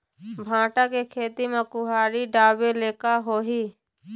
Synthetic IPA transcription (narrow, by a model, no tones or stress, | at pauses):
bʱãːʈakekʰeːt̪imẽkʊɦaːɾiɖaːbeleːkaɦoːɦiː